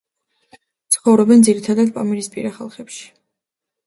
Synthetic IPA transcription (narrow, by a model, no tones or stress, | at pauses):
t̪sʰχɔvɾɔbɛnd̪ziɾit̪ʰad̪at̪̚pʼamɛɾispʼiɾaχa̰lˠχɛpʃi̥